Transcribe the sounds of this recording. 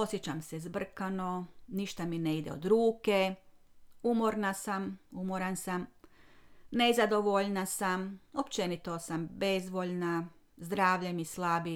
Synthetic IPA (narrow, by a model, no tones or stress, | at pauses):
o̞sjet͡ɕamsezbr̩kano̞niʃt̪amineid̪eo̰d̪ɾuːke̞ | umoɾnasamumoɾansam | nezad̪o̞ʋoʎnasamopt͡ʃe̞nit̪osambezʋoʎna | zd̪ɾaːʋʎemislabi